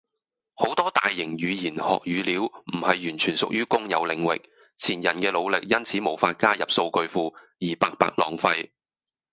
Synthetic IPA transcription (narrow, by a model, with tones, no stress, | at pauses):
ho˨˥wt̪ɔː˥t̪aː˨jːɪ˨˩ŋjyː˨˧jiː˨˩nhɔ̰ː˨k̚jyː˨˧liː˨˥wm̩˨˩hɐ˨jːyː˨˩nt͡ʃʰyː˨˩nsʊ˨k̚jyː˥kʊ˥ŋjɐ̰˨˧wlɪ˨˧ŋwɪ̰˨k̚ | t͡sʰiː˨˩njɐ˨˩nkɛː˧lo˨˧wlɪ˨k̚jɐ˥nt͡sʰiː˨˥mo˨˩wfaː˧t̚kaː˥jɐ˨p̚so˧wkɵ˧ɥfuː˧ | jiː˨˩paː˧k̚pa̰ː˧k̚lɔː˨˧ŋfɐ˧j